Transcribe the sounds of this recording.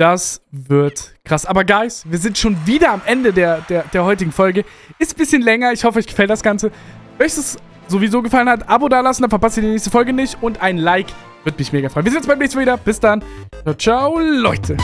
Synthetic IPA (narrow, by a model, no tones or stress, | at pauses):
d̥asvɪɐtkʁ̥asʔaːbɐɡaɪsviːɐzɪntʃoːnviːdɐamʔɛndədeːɐd̥eːɐdeːɐhɔʏtɪɡŋ̩fɔlɡə | ʔɪstb̥ɪsçənlɛŋɐɪçhɔfəʔɔʏçɡ̥ə̥fɛlt̚d̥asɡ̥ant͡sə | mœstɛs | z̥ovizoːɡəfalənhatʔabodaːɐlasn̩d̥afɛɐpastiːdinɛːçstəfɔlɡənɪçtʊntʔaɪnlaɪk | v̥ɪɐtmɪçmeːɡɐfʁɔʏnviɐzɪnjɛt͡ssbaɪmnɛçstmaviːdɐb̥ɪsd̥ant͡ʃaʊt͡ʃaʊlɔʏtʰə